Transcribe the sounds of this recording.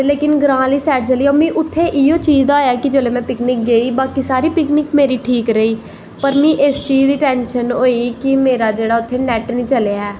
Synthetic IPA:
leːkɪnɡɾãːliːsɛːʈ̚t͡ʃəliːoːmĩːʔʊt̪ʰːeːʔɪoːt͡ʃiːd͡ʒd̪aoːjaːkɪd͡ʒeːleːmɛ̃ːpɪknɪk̚ɡeiːbaːkiːsaːɾiːpɪknɪkmeːɾiːʈʰiːkɾəiː | pəɾmĩːʔɪst͡ʃiːd͡ʒd̪iːʈɛːnʃənoːiːkɪmeːɾaːd͡ʒeːɽaːʊt̪ʰːeːnɛːʈnĩːt͡ʃəleaːɛː

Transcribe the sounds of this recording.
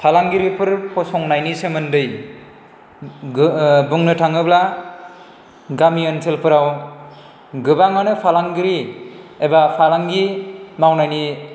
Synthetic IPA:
pʰalaŋɡiɾipʰɯɾpʰɔsɔŋnajnisemɯndɯj | buŋnɯtʰaŋɯbla | ɡamiɯnsʰelpʰɯɾaw | ɡɯbaŋanɯpʰalaŋɡiɾiebapʰalaŋɡimawnajni

